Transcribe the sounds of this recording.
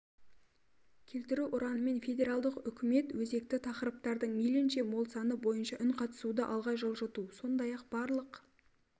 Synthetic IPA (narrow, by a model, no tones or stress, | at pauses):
kʲʰe̞lt̪ɪɾuʔʊɾɑnəme̞nfʲe̞d̪ʲe̞ɾɑlˠd̪əqʏkʲɪme̞t̪wɵze̞kt̪ɪt̪ʰɑqəɾəp̚t̪ɑɾd̪əɴmʲilɪnʃe̞mo̞lˠsɑnəbo̞jənʃɑʔʏŋqʰɑt̪ə̥sud̪əʔɑlˠʁɑʒəlˠʒət̪uso̞nd̪ɑjɑq̚b̥ɑɾlˠəq